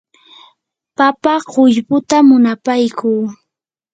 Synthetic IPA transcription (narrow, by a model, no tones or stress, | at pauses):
papaɢʊʎpʊt̪amʊnapajkuː